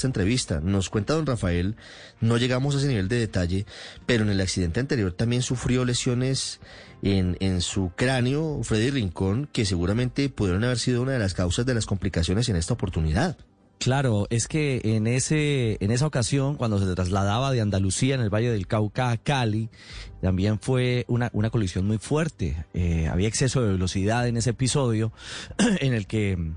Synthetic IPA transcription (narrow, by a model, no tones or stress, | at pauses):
t̪aent̪ɾe̞βist̪a̰no̞skwe̞nt̪aðo̞nrafae̞l | no̞ʝe̞ɣamo̞s̬es̬niβe̞ld̪e̞ðe̞t̪aʝe̞pe̞ɾoene̞laksiðe̞nt̪eant̪e̞ɾjo̞ɾt̪ambje̞nsufɾjo̞le̞sjo̞ne̞s | enensukɾanjo̞fɾe̞ðiriŋko̞ŋke̞s̬e̞ɣuɾamẽ̞nt̪epuðjeɾonaβe̞ɾsiðo̞unaðe̞laskawsazd̪e̞lasko̞mplikasjo̞ne̞s̬e̞ne̞st̪aopo̞ɾt̪uniðað | klaɾo̞e̞ske̞ːneseːne̞s̬ao̞kasjo̞ŋkwand̪o̞s̬e̞t̪ɾazlað̞aβaðeand̪alusiaenelβaʝe̞ðe̞lkawkakali | t̪ambje̞ɱfwe̞unaʔunako̞lisjo̞nmujfwe̞ɾt̪e̞̰ea̰βiaekse̞so̞ðeβelo̞siðaðe̞ne̞s̬eepiso̞ðjo̞ | ene̞lke